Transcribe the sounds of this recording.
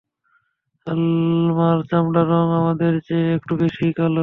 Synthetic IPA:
almaɾt͡ɕamɖaɾɔŋamad̪eɾd͡ʑeek̚ʈubeʃikalo

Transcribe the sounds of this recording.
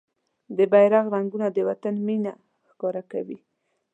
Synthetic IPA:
d̪əbajɾaɣɾaŋɡunad̪əwat̪anmina | xkɑɾakawi

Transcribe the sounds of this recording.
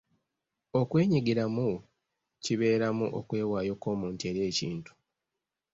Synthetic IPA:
o̞kwe̞ːɲiɡiɾamu | ciβe̞ːɾamuʔo̞̰kwe̞ːwaːjo̞ko̞ːmuːntie̞ɾje̞ːciːntu̥

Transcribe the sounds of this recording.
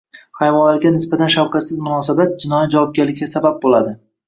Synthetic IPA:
hajvɒnlaɾɡʲanɪsbat̪ʰanʃawqɑt̪sɪzmʊnɒsabat̪̚d͡ʒɪnɒjad͡ʒavɒp̚ɡʲaɾlɪkʲʰːasabap̚bolad̪ɪ

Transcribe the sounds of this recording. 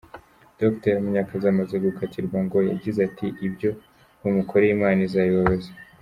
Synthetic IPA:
d̥okteɾmuɲakazamaze̞ɡukatʰiɾɡwaŋɡo̞ja̰ɟizatʰiʔibjo̞ | umukʰoɾeimaːnizaiβaβaze

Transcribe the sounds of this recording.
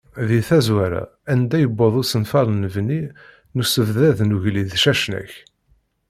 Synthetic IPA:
ðiθæzwæɾæ̰ænd̪æjəbːəðˤʊsənfɑɾˤnəvni | nusəvðæðnuʝliðʃæʃnæ̰ç

